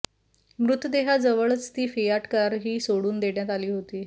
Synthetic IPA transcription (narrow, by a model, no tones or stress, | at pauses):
mɾut̪əd̪eɦad͡zəʋəɭət͡st̪iːfijaʈkəɾaɾɦiːsoɽuːnd̪eɽjat̪aliːɦot̪iː